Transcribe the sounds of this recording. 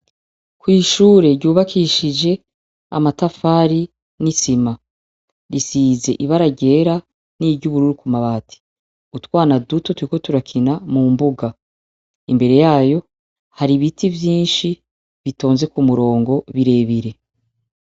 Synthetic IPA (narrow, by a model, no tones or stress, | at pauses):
kwiːʃuːɾe̞ɾɟuːβakʰiʃid͡ʒe̞ | a̰matafaːɾi | nisima | ɾisiːze̞ʔiβaɾaɟe̞ɾa | niɾɟuβuɾuɾukumaβaːtʰi̥ | utwaːnaduto̞tuɾiko̞tuɾakʰinamumbuɡa | imbe̞ɾe̞jaːjo̞ | haɾiβitivjiːnʃi | βito̞ːnze̞kumuɾo̞ːŋɡo̞βiɾe̞ːβiɾe̞